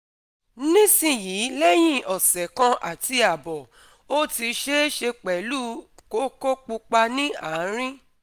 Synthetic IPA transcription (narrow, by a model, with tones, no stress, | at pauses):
nĩ˦sĩ˦˨jiː˨˦lɛ˦j̃ĩ˦ɔ˨sɛ˨kã˧ʔa̰˨ti˧a˨bɔ˨ | o˦ti˧ʃe˦ʃe˧k͡pɛ˨lu˦ko˦ko˦k͡pu˧k͡pa˧nĩ˦a˦˨˦ɾ̃ĩ˦